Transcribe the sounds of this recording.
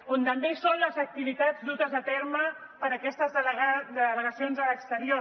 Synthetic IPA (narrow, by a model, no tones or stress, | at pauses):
ont̪əmdesonləzək̚t̪iβit̪ad͡zd̪ut̪əzðət̪ɛɾmə | pəɾəkɛst̪əzðd̪ələɣəsionzələkst̪əɾio